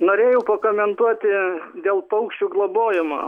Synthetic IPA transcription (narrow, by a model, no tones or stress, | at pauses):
noːɾʲeːjɛʊpɐkomʲɛnt̪uɔt̪ʲɪd̪ʲeːlˠpɐʊkʃʲt͡ʃʲuːɡlˠoboːjɪmo̰ː